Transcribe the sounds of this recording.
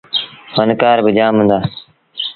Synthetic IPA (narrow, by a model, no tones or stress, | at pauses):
hənkaːɾbəd͡ʒaːmɦʊ̃nd̪aː